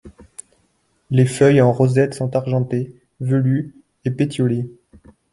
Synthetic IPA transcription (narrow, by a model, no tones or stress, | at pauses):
lefœjɑ̃ʁɔzɛt̪sɔ̃t̪aʁʒɑ̃t̪e | vəly | epet̪jɔle